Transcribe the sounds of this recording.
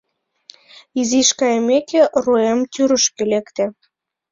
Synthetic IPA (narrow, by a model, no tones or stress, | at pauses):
iziʃkɑjemekeʔruemt̪yɾəʃkelekt̪ĕ